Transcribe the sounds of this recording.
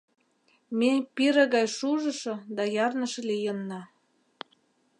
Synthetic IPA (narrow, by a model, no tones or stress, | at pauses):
mepiɾə̆ɣɑjʃuʒə̆ʃɤ̆d̪ɑjɑrnə̆ʃɤ̆lijənːɑ